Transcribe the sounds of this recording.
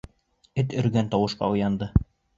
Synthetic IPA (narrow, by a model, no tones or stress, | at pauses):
ɘt̪ɵ̆ɾɡænt̪ɑwɤ̆ʃqɑ̰ujɑnd̪ɤ